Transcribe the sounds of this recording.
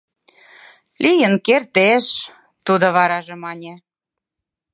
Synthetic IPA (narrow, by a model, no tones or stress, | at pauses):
lʲijənkert̪eʃ | t̪ud̪oβɑɾɑʒĕmɑnʲe